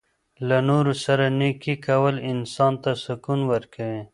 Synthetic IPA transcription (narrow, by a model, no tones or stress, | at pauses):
lanoɾusaɾanekikawəlɪnsɑnt̪asʊkunwəɾkawe